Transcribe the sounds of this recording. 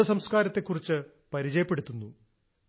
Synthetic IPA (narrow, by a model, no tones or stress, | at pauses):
ɐsɐmskaːɾɐt̪ːe̞kːurit͡ɕːɨ | pɐɾit͡ɕɐjɐpːe̞ɽut̪ːunːu